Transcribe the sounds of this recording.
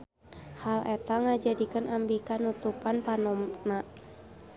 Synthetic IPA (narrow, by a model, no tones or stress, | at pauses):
halɛt̪aŋad͡ʒadikənambikanut̪upanpanɔmna